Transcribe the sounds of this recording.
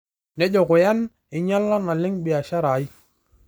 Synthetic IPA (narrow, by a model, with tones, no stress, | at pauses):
nɛ˦d͡ʒɔ˨kʊ˨ja˦n | ɪ˨ɲa˦lːa˦na˨lɪ˦ŋɓɪ˨a˨ʃa˦ɾa˨i˦